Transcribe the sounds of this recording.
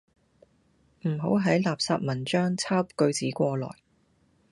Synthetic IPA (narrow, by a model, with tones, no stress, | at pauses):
m̩˨˩ɦo˨˥wɦɐ˨˥jlaː˨p̚saː˧p̚mɐ˨˩nt͡ʃœː˥ŋt͡sʰaː˥wpkɵ˧ɥt͡siː˨˥kʷɔː˧lɔ̰ː˨˩j